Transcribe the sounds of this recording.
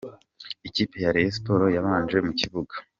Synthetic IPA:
iciːpe̞jaɾees̬po̞ɾo̞jaβaːnd͡ʒe̞muciβuɡḁ

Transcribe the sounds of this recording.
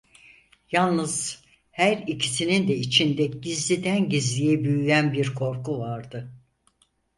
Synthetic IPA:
jalˠnɯz̥ | hæɾicʰi̥sinind̪ɛit͡ʃʰind̪ɛɟ̥izlʲid̪ænɟizlʲijɛbyjyjænbiɾkʰo̞ɾkuvaɾd̪ɯ

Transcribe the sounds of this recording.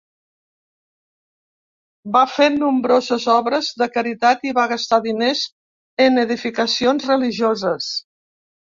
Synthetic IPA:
bafenumbɾozəzɔβɾəzðəkəɾit̪at̪iβaɣəst̪aðinez | ənəðifikəsionzrəliʒozəs

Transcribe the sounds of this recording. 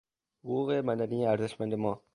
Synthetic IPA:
hʊɣuːɣemæd̪ænijeæɾzeʃmænd̪emɒː

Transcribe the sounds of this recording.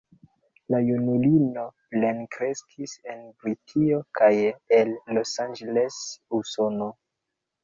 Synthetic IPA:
lajunulino̞plenkɾe̞skʰise̞nbɾitʰio̞kʰajelːo̞sand͡ʒelesuso̞no

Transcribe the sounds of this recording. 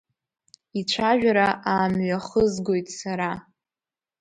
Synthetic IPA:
it͡ʃʷʰaʒᶣaɾaʔaːmɥaχəzɡo̞jtʼsaɾa

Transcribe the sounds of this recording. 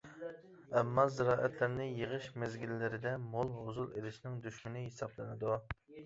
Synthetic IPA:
ɛmːɑzɪɾɑːʔɛt̪ʰlɪɾnɪjəʁəʃmezɡʲilːɪɾɪd̪ɛmolˠɦozulˠelɪʃnɪŋd̪yʃmɪnɪɦesɑblˠɨnɨd̪u

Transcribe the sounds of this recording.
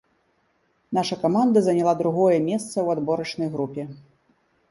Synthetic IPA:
naʂɐkamand̪ɐzɐnʲalˠad̪ɾuɣɔjɛmʲɛst̪sɐwad̪bɔɾɐt͡ʂnɐjɣɾupʲɛ

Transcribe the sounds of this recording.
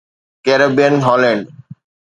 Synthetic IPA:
kɛɾabenɦɔlen

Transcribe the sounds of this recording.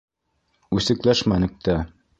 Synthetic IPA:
ʉsɘ̆klæʃmænɘ̆k̚t̪æ

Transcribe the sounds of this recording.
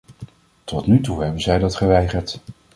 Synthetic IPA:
tɔtnytuɦɛbənzɛjdɑtχəʋɛjχəɹt

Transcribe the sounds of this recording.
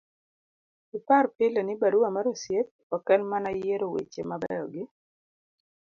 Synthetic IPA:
ɪparpɪlenɪbaɾuamaɾosjet̪̚ | ɔkɛnmanajeɾowḛt͡ʃemabɛ̰jɔɡɪ

